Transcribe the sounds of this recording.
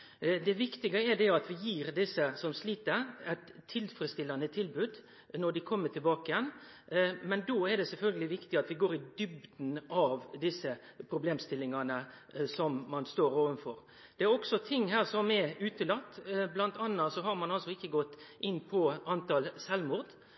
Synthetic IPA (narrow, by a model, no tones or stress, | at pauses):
d̪ɛʋɪkt̪ɪɡəɛɾd̪ɛɑt̪ʋɪjiːɾd̪ɪsːəsɔmsliːt̪əɛt̪ʰːɪlfɾɛst̪ɪlːɑnət̪ʰɪlbʉːd̪ | nɔɖɪkʰɔmːəʈʰɪlbɑːkəjɛn | mɛnd̪oːɛɾɖɛsɛlfœlɡəlɪʋɪkt̪ɪɑt̪ʋɪɡoːɾɪd̪ʏbd̪n̩ɑʋd̪ɪsːə | pʰɾʊbleːmst̪ɪlːɪŋɑnə | sɔmːɑnst̪oːɾoːʋənfɔɾ | dd̥̪ɛæɾɔksɔt̪ʰɪŋːhæːɾsɔmɛʉːt̪əlɑt̪ːblɑnt̪ɑnːɑsɔɦɑɾmɑnɑlsɔɪçːəɡɔt̪ːʔɪnːpʰɔɑnt̪ɑlsɛlmʊːɾd̪